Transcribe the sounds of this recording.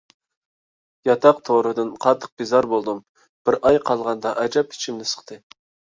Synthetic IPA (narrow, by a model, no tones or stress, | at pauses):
jɑt̪ʰɑq̚t̪ʰoɾɨd̪ɨnqʰɑt̪ʰːə̥q̚b̥izɑɾbolˠd̪ɨm | b̥ɪɾʔɑjqʰɑlˠʁɑnd̪ɑʔɛd͡ʒɑpʰi̥t͡ʃʰimnɪsə̥qt̪ʰɨ